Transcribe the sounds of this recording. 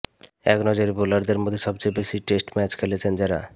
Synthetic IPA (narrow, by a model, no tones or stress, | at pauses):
ɛ̰knɔd͡ʑoɾebolaɾd̪eɾmod̪ʱːeʃɔb̚t͡ɕebeʃiʈesʈmɛt͡ɕkʰelet͡ɕʰend͡ʑeɾa̰